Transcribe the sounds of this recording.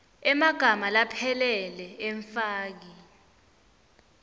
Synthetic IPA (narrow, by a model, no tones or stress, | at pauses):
ɛmaɡ̥ʱamalapʰɛlɛlɛɛɱfaːk̬i